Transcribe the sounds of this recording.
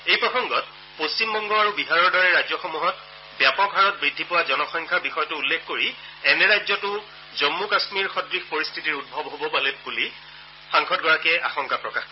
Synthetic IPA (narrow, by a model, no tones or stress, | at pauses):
ejpɹɔxɔŋɡɔt̚ | post͡ɕimbɔŋɡɔaɹubiɦaɹɔɹdɔɹɛɹajzɔxomuɦɔt | bjapɔkɦaɹɔt̚bɹidʱːipʊwazɔnɔxɔŋkʰabixɔjɔtʊulːekkoɹi | ɛnɛɹajzɔtʊ | zɔmːukasmiɹxɔdɹixpoɹistʰitiɹut̚bʱɔbɦobɔpalɛbuli | xãŋkʰɔtɡɔɹakɛʔa̰xɔŋkapɹɔkax